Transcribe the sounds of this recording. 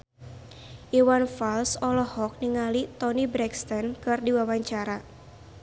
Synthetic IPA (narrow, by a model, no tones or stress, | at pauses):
ʔiwanfalsɔlɔhɔk̚niŋalit̪ɔnibɾɛkst̪ɔnkɨrdiwawaɲt͡ʃaɾa